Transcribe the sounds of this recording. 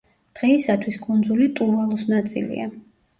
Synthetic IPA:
d̪̥ʁɛisat̪ʰwiskʼund̪zulit̪ʼunvalˠɔsnat̪sʼḭlḭa̰

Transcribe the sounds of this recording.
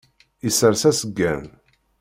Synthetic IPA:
isəɾsæsəɡːæ̰n

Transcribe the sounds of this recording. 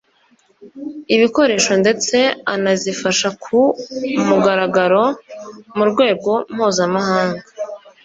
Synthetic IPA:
iβiko̞ɾe̞ːʃo̞nde̞t͡se̞anazifaʃakʰumuɡaɾaɡaɾo̞muɾɡwe̞ːɡo̞mhuːzamahaːŋɡa

